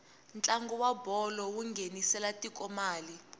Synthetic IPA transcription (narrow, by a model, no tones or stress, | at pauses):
nt͡ɬʼaŋɡɔwabʱɔlɔwuŋɡʱenisɛlatʼikʼɔmaːli